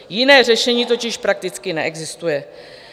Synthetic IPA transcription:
jɪnɛːr̝ɛʃɛɲiːt̪o̞cɪʃpɾak̚t̪ɪt͡skɪnɛ̰ʔɛɡzɪst̪ujɛ

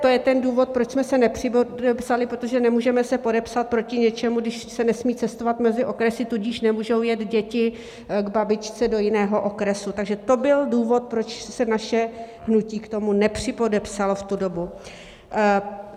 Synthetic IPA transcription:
t̪ojɛt̪ɛnduːvo̞t̪̚pɾo̞t͡ʃsmɛsɛnɛpr̥ɪpodɛpsalɪpɾot̪oʒɛnɛmuːʒɛmɛsɛpo̞dɛpsat̪̚pɾo̞cɪɲɛt͡ʃɛmuɡdɪʃsɛnɛsmiːt͡sɛst̪o̞vat̪mɛzɪʔo̞kɾɛsɪt̪uɟiʃnɛmuːʒo̞wjɛt̪ɟɛcɪ | ɡbabɪt͡ʃt͡sɛdo̞jɪnɛːɦo̞ʔo̞kɾɛsut̪aɡʒɛt̪o̞bɪlduːvo̞t̪̚pɾo̞t͡ʃsɛnaʃɛ | ɦnuciːkt̪o̞munɛpr̝̥ɪpodɛpsaloft̪udo̞bu

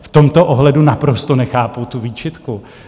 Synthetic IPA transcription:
ft̪o̞mt̪o̞ʔoɦlɛdunapɾost̪onɛxaːput̪uviːt͡ʃɪt̪ku

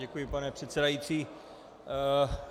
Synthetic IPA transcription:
ɛkujɪpanɛpr̥ɛt̪sɛdajiːt͡siː

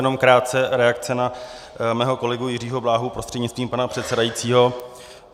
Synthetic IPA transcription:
ɛno̞mkɾaːt̪̚t͡sɛɾɛakt͡sɛna | mɛːɦo̞ko̞lɛɡujɪriːɦo̞blaːɦupɾost̪r̥ɛdɲɪtst̪viːmpanapr̥ɛt̪sɛdajiːt͡siːɦo

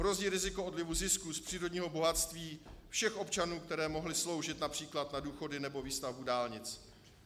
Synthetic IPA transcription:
ɦɾo̞ziːɾɪzɪko̞ʔo̞dlɪvuzɪskuspr̥iːɾo̞dɲiːɦo̞bo̞ɦat̪st̪viːfʃɛxʔo̞pt͡ʃanuːkt̪ɛɾɛːmo̞ɦlɪslo̞wʒɪt̪napr̥iːklat̪naduːxo̞dɪnɛbo̞viːst̪avbudaːlɲɪt͡s

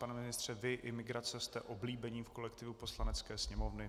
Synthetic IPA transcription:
panɛmɪnɪst̪r̝̥ɛvɪʔɪmɪɡɾat͡sɛst̪ɛʔo̞bliːbɛɲiːfko̞lɛkt̪ɪvupo̞slanɛt͡skɛːsɲɛmo̞vnɪ

